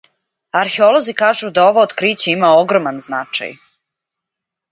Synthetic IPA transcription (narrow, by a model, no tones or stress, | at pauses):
aɾxeo̞lo̞zikaːʒud̪ao̞ʋoːd̪kɾiːt͡ɕeimaoɡɾomanznat͡ʃa̰j